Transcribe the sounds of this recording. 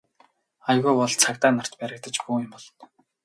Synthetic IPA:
ajɣujwɔɮt͡sʰakt̪aːnar̥t̪pæɾʲə̆k̚t̪ə̆t͡ɕɡujɪ̆mpɔɮɞn

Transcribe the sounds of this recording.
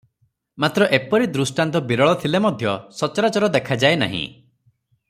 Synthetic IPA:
mat̪ɾɔʔepɔɾid̪ɾusʈant̪̬ɔbiɾɔɭɔt̪ʰilemɔd̪ʱjɔsɔt͡ʃɔɾat͡ʃɔɾɔd̪ekʰad͡ʒaena̰ɦḭ̃

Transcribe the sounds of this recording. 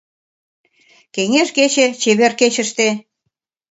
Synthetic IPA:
keŋeʃket͡ɕet͡ɕeβerket͡ɕə̆ʃt̪e

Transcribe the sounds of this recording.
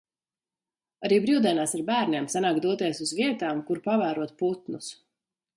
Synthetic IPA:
aɾiːbɾiwd̪ɛɛnaːsaɾbæːɾnʲeɛmsanaːkd̪uɔt̪iɛsuzviɛt̪aːmkuɾpavæːɾuɔt̪put̪nus

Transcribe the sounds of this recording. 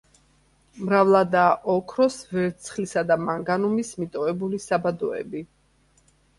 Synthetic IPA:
mɾavlˠad̪aʔɔkʰɾɔsvɛɾt̪sʰχlisad̪amaŋɡanumismit̪ʼɔɛbulisabad̪ɔɛ̰bi

